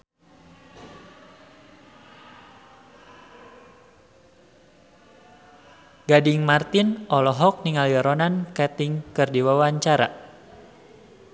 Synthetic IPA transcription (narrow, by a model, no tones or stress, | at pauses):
ɡadɪŋmart̪ɪnʔɔlɔɦɔk̚niŋaljɔɾɔnankɛt̪ɪŋkɨrdiwawaɲt͡ʃaɾa̰